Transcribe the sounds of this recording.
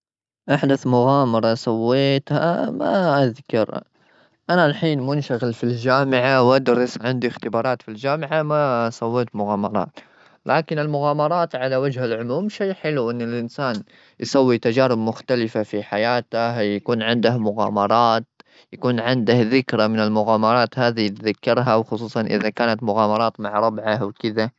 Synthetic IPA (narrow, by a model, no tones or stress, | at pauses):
ʔaħd̪aθmʊɣaːmɑɾˤɑsˤawːeːt̪ha̰ma̰ʔaðkɪ̰ɾ̰ | ʔanalħiːnmʊnʃaɣɪlfild͡ʒaːmɪʕawʔad̪ɾˤɑsʕɪnd̪ixt̪ɪbɑːɾˤɑːt̪fild͡ʒaːmɪʕamasˤɑwːeːt̪mʊɣɑːmɑɾˤɑ̰ːt̪ | lʔaːkɪnɪlmʊɣaːmɑɾˤɑːt̪ʕalawad͡ʒhalʕʊmuːmʃajːħɪluʔɪnːɪlʔɪnsaːn | jsˤawːit̪ad͡ʒaːɾɪbmʊxt̪alɪfafiħajaːt̪ajakuːnʕɪnd̪ahmʊɣɑ̰ːmɑɾˤɑːt̪ | jakuːnʕɪnd̪ahðɪkɾamɪnɪlmʊɣaːmɑɾˤɑːt̪haːðit̪ðakːɑɾˤɦawxʊsˤuːsˤɑnʔɪ̰ðakaːnat̪mʊɣɑːmɑɾˤɑːt̪maʕɾˤɑbʕawkɪða